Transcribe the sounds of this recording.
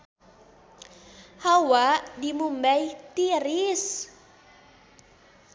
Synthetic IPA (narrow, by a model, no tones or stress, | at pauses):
hawaʔdimumbajt̪iɾis